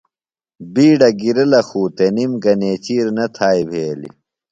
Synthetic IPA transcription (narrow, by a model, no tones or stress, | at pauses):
biːɖɐɡiɾɐlɐxuːt̪enimɡɐneːt͡ɕiːɾnɐt̪ʰaːjbʱeːlḭ